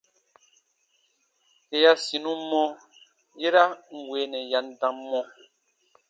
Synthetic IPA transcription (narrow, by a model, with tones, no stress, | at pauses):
e˨ja˦si˨nũ˦mɔ˦ | je˦ɾa˦ŋ̩˨we˨˦nɛ˨ja˨n̩˦˨da˨˦mːɔ̃˦